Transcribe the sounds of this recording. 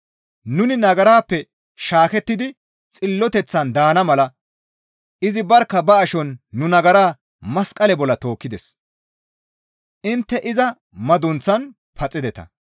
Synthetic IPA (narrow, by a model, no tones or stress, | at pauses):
nʊnɪnɐɡɐɾaːpːɛ | ʃaːkɛt̪ːɪd̪ɪ | t͡sʼɪlːɔt̪ɛt͡sːɐnd̪aːnɐmɐlɐ | ʔɪzɪbɐɾkːɐbɐːʃɔnːʊnɐɡɐɾaː | mɐskʼɐlɛbɔlːɐt̪o̞ːkːɪd̪ɛs | ʔɪnt̪ːɛʔɪzɐ | mɐd̪ʊnt͡sːɐn | pʰɐt͡sʼːɪd̪ɛt̪ɐ̰